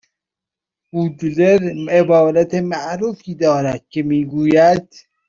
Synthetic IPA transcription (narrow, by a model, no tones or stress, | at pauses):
huːd̪leɾebɒːɾæt̪emæʔɾuːfiːd̪ɒːɾæd̪̥̚kʰemiːɡuːjæd̪̥